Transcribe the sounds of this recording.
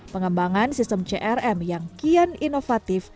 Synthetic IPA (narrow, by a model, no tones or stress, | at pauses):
pəŋəmbaŋansist̪əmt͡ʃeʔɛrɛmjaŋkiəninofat̪ɪf